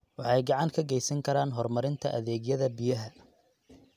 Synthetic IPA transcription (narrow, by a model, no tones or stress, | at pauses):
wɑħɑjɡɑʕɑŋkʰɐɡɛjsɐŋkʰɐɾaːnɦɔrmɐɾɪnt̪ʰɐʔɐðɛːɡjɐðɐbijɐɦɐ